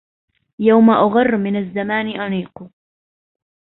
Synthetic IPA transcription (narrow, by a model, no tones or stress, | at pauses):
jawmaʔaɣɑrˤːmɪnazːamaːnɪʔaniːq